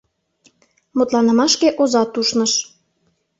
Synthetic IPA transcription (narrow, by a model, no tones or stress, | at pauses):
mut̪lɑnɤ̆mɑʃkeʔozɑt̪uʃnɤʃ